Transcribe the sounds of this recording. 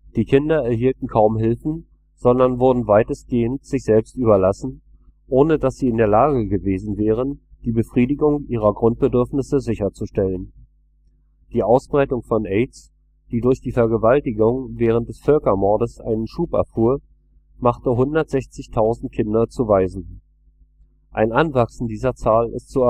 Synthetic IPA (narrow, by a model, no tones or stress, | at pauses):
d̥iːkʰɪndɐɛɐhiːltn̩kʰaʊmɦɪlfn̩ | z̥ɔndɐnvʊɐdn̩vaɪtəsɡ̥eːəntz̥ɪçz̥ɛlpstyːbɐlasn̩ | ʔoːnədasz̥iːɪndeːɐlaːɡəɡəveːzn̩vɛːʁ̞ənd̥iːbəfʁ̥iːdɪɡʊŋʔiːʁ̞ɐɡʁʊnt̚b̥ədʏɐfnɪsəzɪçɐt͡suʃtɛlən | d̥iːʔaʊsb̥ʁaɪtʊŋfɔnʔɛɪts | d̥iːdʊɐçd̥iːfɛɐɡəvaltɪɡʊŋvɛːʁ̞ənt̚d̥ɛsfœlkɐmɔɐdəsʔa̰ɪnənʃuːpɛ̰ɐfuːɐ | maχtəɦʊndɐtz̥ɛçt͡sɪçtʰaʊzn̩t̚kʰɪndɐt͡suvaɪzn̩ | ʔaɪnʔanvaksn̩diːzɐt͡saːlʔɪ̰stt͡su